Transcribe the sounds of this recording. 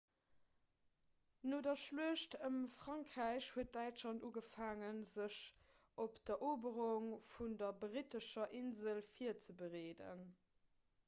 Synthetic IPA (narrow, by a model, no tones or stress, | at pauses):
noːdɐʃluəʃtəmfʁɑŋkʁæɪɕhuət̚d̥æɪtlɑntuːɡəfaːŋənzəɕ | ʔopd̥ɐʔoːbəʁuŋfundɐbʁitəʃɐʔinzəlfiɐt͡səbəʁeːdə̰n